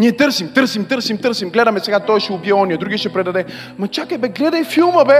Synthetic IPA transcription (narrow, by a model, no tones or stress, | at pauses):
niɛt̪əɾsimt̪ɾsimt̪əɾsimt̪ɤɾsimɡlɛd̪ɐmɛsɛɡat̪ɔjʃɛʊbiɛɔnʲiəd̪ɾuɡʲiəʃɛpɾɛd̪ɐd̪ɛ | mɐt͡ʃakəbɛɡlɛd̪əjfilˠmɐbɛ